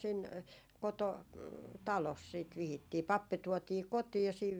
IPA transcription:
sin koto tɑlos siːt ʋihitːiː pɑpːi tuɔtiː kotiːj jɑ siːʋ

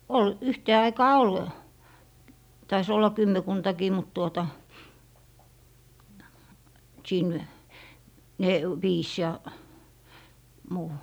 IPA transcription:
ol yhteː ɑikɑː ol tɑis olːɑ kymːekuntɑkiː mut tuotɑ siːn ne ʋiːs jɑ muː

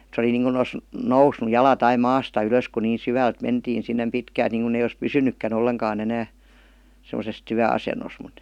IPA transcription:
se oli niːŋku os nousnu jɑlɑt ɑi mɑːstɑ yløs ku niː syʋælt mentiːn sinːem pitkælt niˑŋkun ei ois pysynykːæn olːeŋkɑːn enæː semə̆ses tyæɑsenos mut

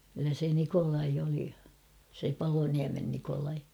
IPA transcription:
kylːæ se nikolɑi oli se pɑloniæmen nikolɑi

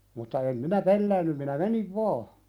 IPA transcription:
mutːɑ em minæ pelːæːnːym minæ meniʋ ʋɑː

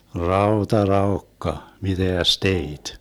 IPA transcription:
rɑotɑ rɑokːɑ miteæs teit

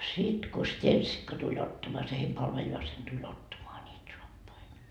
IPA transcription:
sit ko stenʲsikːɑ tulʲ otːɑmoɑ se heim pɑlʋeljɑːsen tulʲ otːɑmoɑ niːt soɑpːɑi

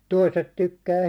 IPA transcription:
toiset tykːæː

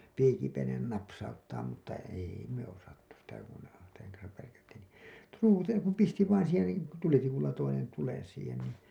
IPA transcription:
piːkipenen nɑpsɑutːɑːm mutːɑ eˑi me osɑtːu sitæ kun seŋ kɑnsɑʋ ʋærkætːiːn ni truːtejɑ kum pisti ʋɑin siːhen niː tulitikulːɑ toinen tulen siːhen niː

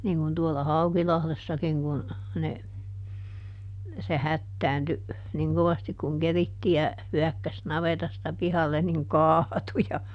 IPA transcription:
niːŋ kun tuolːɑ hɑukilɑhlesːɑkiŋ kun ne se hætːæːnty niŋ koʋɑstik kuŋ keritːijæ hyækːæs nɑʋetɑstɑ pihɑlːen niŋ kɑːtu jɑ

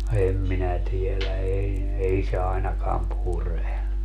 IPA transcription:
em minæ tielæ ei ei se ɑinɑkɑːm pure

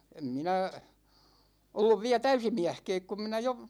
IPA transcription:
em minæ olːuʋ ʋiæ tæysi miæhkɛːk kum minæ jo

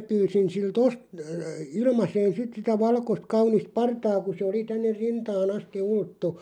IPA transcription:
pyːsin silt ost ə ilmɑseːn sit sitæ ʋɑlkost kɑunist pɑrtɑː ku se oli tænːer rintɑːn ɑsti ultːu

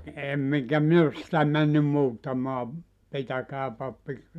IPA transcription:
em eŋkæ min os sĭtæ mænːym muːtːɑmɑː pitækæː pɑpːi

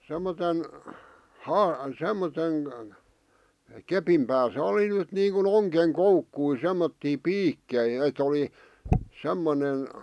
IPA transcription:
semːoten hɑː semːoten kepim pæːsæ oli nyt niːŋkun oŋkeŋ koukːui semːotːiː piːkːei et oli semːone

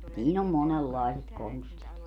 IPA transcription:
siːn om monelːɑˑeset konstit

